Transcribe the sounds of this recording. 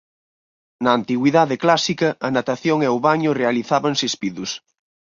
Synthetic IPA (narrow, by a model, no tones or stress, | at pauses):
naːnt̪iɣwiðaðeklasikɐːnat̪aθjoŋeaowβaɲʊrealiθaβaŋsespiðus